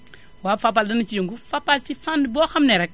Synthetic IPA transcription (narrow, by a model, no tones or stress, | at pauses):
waːfap̬ːaldɐnɐt͡ʃijoŋɡufapːalt͡ʃifandbɔːxɐmnɛɾɛk̚